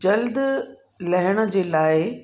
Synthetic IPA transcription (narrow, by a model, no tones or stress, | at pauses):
d͡ʑɐld̪ | lɐɦɪɽ̃ə̆d͡ʑeːlaːɪ